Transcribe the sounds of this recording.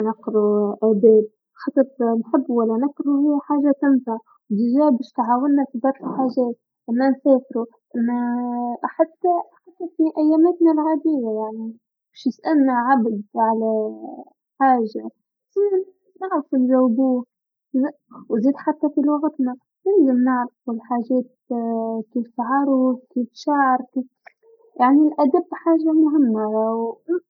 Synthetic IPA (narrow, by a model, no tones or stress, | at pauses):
nɑqɾuʔæːd̪ɛːb̚ | xɑt̪ˤɨɾˤnħɪbːwalːænɑqɾuhɪjːħaːʒat̪ɪnfaʕ | wd̪ɪʒæːbɪːʃt̪ʕaːwɪnːafibɑɾˤtlħaːʒɛːt̪̚ | ʔɪmːænsɛːfɾu | ʔɪmːæ | ħat̪ːaħat̪ːafiʔæjːæːmæːt̪nalɣad̪iːwajaʕni | bɛːʃnɪsʔælnaʕabd̪ʕalæ | ħaːʒa | zinɪ | mnɪʕɾafulʒawːbuː | zwziːd̪ħat̪ːafilwɑɣt̪na | jɪlzɪmnɪʕɾafɪlħaːʒɛːt̪̚ | kiːfsaʕɑɾˤʊkiːfʃaʕɑɾˤki | jaʕnilʔæd̪abːħaːʒamʊɦɪmːaw